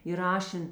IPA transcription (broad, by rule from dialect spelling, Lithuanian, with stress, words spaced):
iːrɐˈʃʲɛn